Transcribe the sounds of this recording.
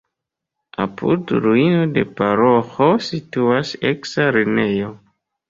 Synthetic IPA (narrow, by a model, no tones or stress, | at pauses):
a̰pʰṵdɾuino̞de̞̰paɾoxo̞situaseksaɾinejo̞